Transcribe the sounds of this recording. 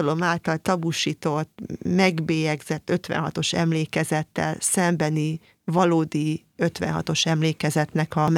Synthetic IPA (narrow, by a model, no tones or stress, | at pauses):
lo̞maːlt̪ɒlt̪ɒbuʃiːt̪o̞t̪ːmɛɡbeːjɛɡz̥ɛt̪ːøt̪ʋɛ̰nɦɒ̰t̪o̞ʃɛ̰mleːkɛzɛt̪ːɛ̰lsɛmbɛni | vɒloːd̪i | ø̞t̪ʋɛ̰nɦɒ̰t̪o̞ʃɛmleːkɛzɛt̪nɛkɒm